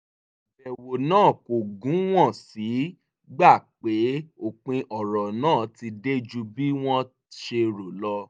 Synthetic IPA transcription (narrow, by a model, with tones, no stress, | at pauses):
bɛ˨wo˨nãː˦˨ko˨ɡũ˨˦w̃ɔ̃˦˨si˨˦ | ɡ͡ba˦˨k͡pe˨˦o˦˨k͡pĩ˧ʔɔ˨ɾɔ˨nãː˦˨ti˧de˦d͡ʒu˦˧bi˦w̃ɔ̃˦ | ʃe˧ɾo˨lɔ˧